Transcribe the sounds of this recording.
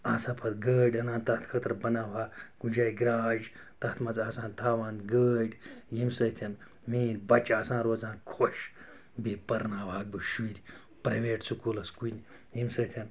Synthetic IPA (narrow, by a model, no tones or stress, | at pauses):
aːsaːpʰɐt̪ɡəːɖʲɐnaːnt̪ɐt̪ʰkʰɐt̪ɾbɐnaːʋaːɡ̥ud͡ʒaːjɡɾaːd͡ʒ | t̪ɐt̪ʰmɐzaːsãːnt̪ʰaːʋaːnɡəːɖʲjimsɐt̪ʰʲɐn | miːnbɐt͡ʃaːsãːnɾoːd͡zaːnkʰoʃ | biːpɐɾnaːʋaːɡ̚bɨʃuɾʲ | pɾɐʋeːʈsukulɐskunʲ | jimsɐt̪ʲʰɐn